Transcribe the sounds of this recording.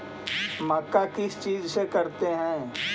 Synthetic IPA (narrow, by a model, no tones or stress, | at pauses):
mɐkːakɪst͡ʃiːd͡ʒsekɐɾt̪eɦɛ̃ː